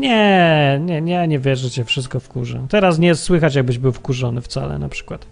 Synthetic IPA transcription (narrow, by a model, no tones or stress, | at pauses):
ɲɛɲɛɲɛɲɛvʲjɛʐɛt͡ɕɛfʂɘst̪̚kɔfkuʐɛ̰t̪ɛɾas̬ɲɛswɘxat͡ɕjaɡ̚bɘʑbɘwfkuʐɔnɘft̪sa̰lɛ̰na̰pʂɘ̥kwat̪